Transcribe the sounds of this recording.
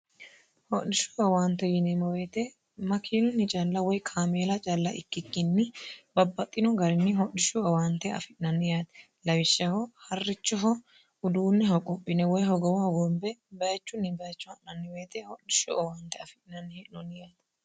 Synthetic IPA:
hɔɗɪʃʊɔwaːnt̪ːɛjɪnɛmɐweːt̪ɛ | mɐkʰiːlʊnːɪt͡ʃʼɐlːɐwɔjkʰaːmeːlɐt͡ʃʼɐlːɐʔɪkːɪkːɪnːɪbɐbːɐt̪ʼːɪnɔɡɐɾɪnːɪɦɔɗɪʃʊɔwaːnt̪ːɛɐ̰fɪnɐnːɪjaːt̪ | lɐwɪʃːɐhɔhɐrːɪt͡ʃːɔɦɔ | ʊd̪uːnːɪɦɔkʼɔpʼːɪnɛwɔjɦɔɡɔwɐɡɔmbɛbɐjɐt͡ʃːʊnːɪbɐjɐt͡ʃːʊɐʔnɐnːɪweːt̪ɛhɔɗɪʃʊʔɔwaːnt̪ɛɐfɪɪnɐnːɪhɛʔnɔnːɪjaːt̪

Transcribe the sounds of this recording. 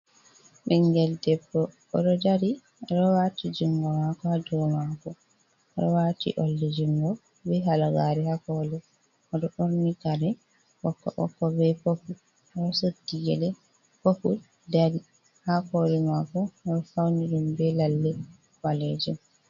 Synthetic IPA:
ɓɛŋɡɛldɛbːɔ | ɔ̰ɗɔdaɾi | aɾɔwatid͡ʒuŋɡɔmakɔhadɔmakɔ | ɾɔwatḭʔɔlːɛd͡ʒuŋɡɔ | bɛɦalaɡaɾɛhakɔlɛ | ɔdɔʔoɾnikaɾɛ | wɔkːɔ̰ʔɔ̰kːɔbɛpopu | ɾɔsodiɡɛlɛ | popul | daɾi | hakɔlɛmakɔɔdɔfawniɾumbɛlalːɛ | waled͡ʒum

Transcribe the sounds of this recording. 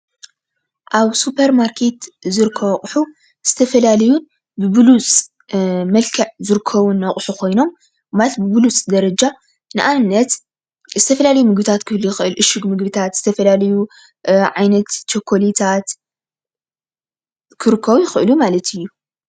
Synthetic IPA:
ʔaβsupʰɐɾmaɾkʰe̞t̪zɨɾɨkʰːɐβɐχʼħu | z̥ɨt̪ʰɐfɐlalɐjun | bɨbɨlut͡sʼ | mɐlkʰɐʕzɨɾɨkʰːɐβunːɐχʼħukʰo̞jno̞m | malt̪̚bɨbɨlut͡sʼd̪ɐɾɐd͡ʒa | nɨʔanːɐt̪ | zɨt̪ʰɐfɐlalɐjumɨɡbɨt̪ʰat̪kʰɨlujɪxʔɨlʔɨʃɨɡmɨɡbɨt̪ʰat̪z̥ɨt̪ʰɐfɐlalɐju | ʕajnɐt̪t͡ʃʰokʰːolit̪ʰat̪ | kʰɨɾɨkʰːɐβujɪxɨʔɨlumalɐt̪ʰɨjːu

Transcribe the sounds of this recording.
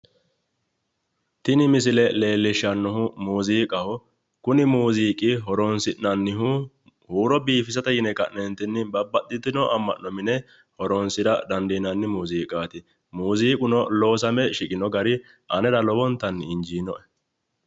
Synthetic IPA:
t̪ɪnɪmɪsɪlɛle̞ːlːɪʃːɐnːɔɦʊmuːziːkʼɐhʊ | kʊnɪmuːziːkʼɪɦɔɾɔnsɪʔnɐnːɪɦu | huːɾɔbiːfɪs̬ɐt̪ɐjɪnɛkɐ̰ʔnɛnt̪ɪnːɪbɐbːɐtːɪt̪ːɪnɔʔɐmːɐ̰ʔːɔmɪnɛ | hɔɾɔnsɪɾɐd̪ɐnd̪iːnɐnːɪmuːziːkʼaːt̪ɪ | muːziːkʼʊnɔloːsɐmɛʃɪkʼɪnɔɡɐɾɪ | ʔɐnɛd̪ɐlɔbɔnt̪ːɐnːɪɪnd͡ʒiːnɔʔɛ̥

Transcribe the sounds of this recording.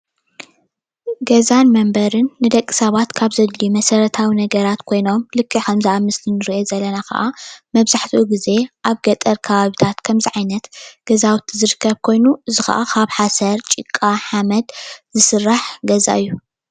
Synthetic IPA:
ɡɐzanmɐmbɐɾɨnːɨd̪ɐkʼːi̥sɐβat̪kʰaβzɐd̪limɐsɐɾɐt̪ʰawinɐɡɐɾat̪kʰo̞jno̞mlɨkʰːixɐmzɐʔamːɨslɨnɨɾiʔozɐlːɐnakɐ̰ʔamɐβzaħt̪ʰiʔuɡize̞ʔaβɡɐt̪ʼɐɾkʰɐβaβit̪ʰat̪kʰɐmziʕajnɐt̪ɡ̥ɐzawt̪ʰizɨɾɨkʰːɐβkʰo̞jnuɨzɨxɐ̰ʔakʰaβħasɐɾt͡ʃʼikʼːaħamɐd̪zɨsɨrːaħɡɐza̰ʔɨjːu

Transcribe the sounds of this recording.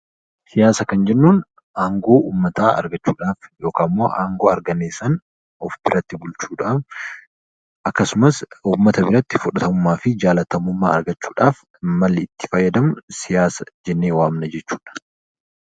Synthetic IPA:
sɪjaːsɐkɐnd͡ʒɛnːuːn | aːŋɡo̞ːʔuːmːɐt̪aːɐ̰ɾɡɐt͡ʃːuːᶑaːfjo̞ːkaːmːo̰ːʔaːŋɡo̞ːɐɾɡɐneːsɐn | ɔfbɪɾɐt̪ːɪbʊlt͡ʃuːᶑaːf | ʔɐkːɐsʊmɐsuːmːɐt̪ɐbɪɾɐt̪ːɪfʊᶑɐt̪ɐmʊmːaːfɪd͡ʒaːlɐt̪ɐmʊmːaːɐɾɡɐt͡ʃːuːᶑaːf | mɐlːɪɪt̪ːɪ̥fɐjːɐd̪ɐmʊsɪjaːsɐd͡ʒɛnːeːwaːmnɐd͡ʒɛt͡ʃːu̥ːᶑɐ̥

